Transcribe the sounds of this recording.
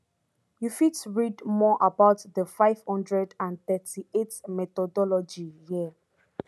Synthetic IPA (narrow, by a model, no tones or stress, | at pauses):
jufitɹidmɔʔabaʊtðəfaɪv̥hɔ̃ndɹɛdãnθɛtʰietmɛt̪ɔdɔlɔd͡ʒiji